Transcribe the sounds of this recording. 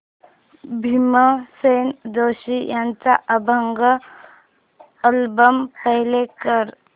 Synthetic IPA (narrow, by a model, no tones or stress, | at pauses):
bʱiməseːnd̪oːʃijãnt͡ʃaʔəbʱəŋɡə | əlbəmpəɦlekəɾ